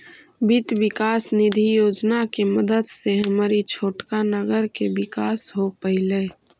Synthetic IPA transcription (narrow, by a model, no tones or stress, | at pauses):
bɪt̪ʋɪkaːsnɪd̪ʱijoːd͡ʒnakeməd̪əd̪seɦəmaːɾit͡ʃʰoːʈkanəɡəɾkebɪkaːsɦopəɦɪleː